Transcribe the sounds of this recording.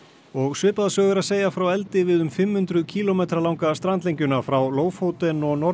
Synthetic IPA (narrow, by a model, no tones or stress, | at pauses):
ɔɣsʏːpaðasœːɣʏɾaðseːjafɾawɛlt̪ɪvɪðʏmfɪmhʏnt̪ɾʏcʰiːlomeːt̪ɾalawŋkast̪ɾant̪lejɲcʏnafɾawloːwfhowt̪ɛnɔɣnɔ